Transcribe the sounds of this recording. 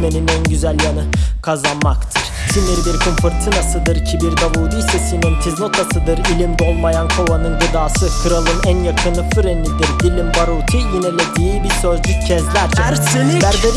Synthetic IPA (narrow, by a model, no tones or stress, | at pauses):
me̞ninænɟyzælʲjanɯkʰazanmakt̪ʰɯɾ̥simiɾbiɾkʰumpʰuɾt̪ʰinasɯd̪ɯɾicʰibiɾɡ̪abuːd̪iisɛsimint̪ʰizno̞t̪ʰasɯd̪ɯɾilʲimd̪o̞lˠmajankʰovanɯnɡɯd̪aːsɯkʰɯɾalˠɯnænjakʰɯnɯfyɾenʲid̪iɾd̪ilʲimbaɾuːt̪ʰijinelʲed̪iːbiɾsøzlʲyccʰɛzlʲæɾt͡ʃ̪ʰɛ | bæɾb̪eɾ